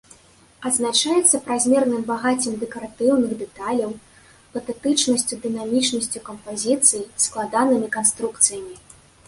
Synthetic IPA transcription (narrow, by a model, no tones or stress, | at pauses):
ɐd̪znat͡ʂajɛt̪sːɐpɾazʲmʲɛrnɨmbaɣat͡sʲɨmd̪ɛkɐɾat̪ɨwnɨɣd̪ɛt̪alʲɐw | pɐt̪ɛt̪ɨt͡ʂnɐsʲt͡sʲud̪ɨnamʲit͡ʂnɐsʲt͡sʲukɐmpazʲit̪sɨjisklˠad̪anɨmʲikanst̪ɾukt̪sɨjɐmʲi